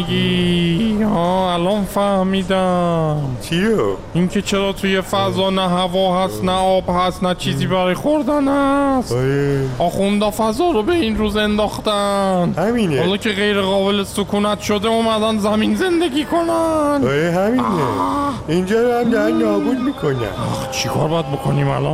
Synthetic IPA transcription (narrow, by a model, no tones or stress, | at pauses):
ɡi | hɒːælɒnfæhmiːd̪æmt͡ʃʰiɾoʔiŋcʰe̞t͡ʃʰeɾɒːt̪ʰuje̞fæzɒːnæɦævɒːhæst̪næɒːbhæst̪næt͡ʃʰiːziːbæɾɒjxoɾd̪ænhæsɾeʔɒːxund̪ɒːfæzɒːɾobe̞inɾuːze̞nd̪ɒːχt̪ænhæminehɒːlɒːcʰe̞ɣe̞jɾe̞ɣɒːbe̞lesokʰuːnæt̪ʰʃod̪euːmæd̪ænzæminze̞nd̪e̞ɟʲiːkʰo̞nænɒɾeɦæmineind͡ʒɒːɾæmnænnɒːbud̪̚miːkʰonæ̰a̰xt͡ʃʰikʰɒ̰ːɾbɒːjæd̪̚bokʰoniːmæ̰lɒ̰n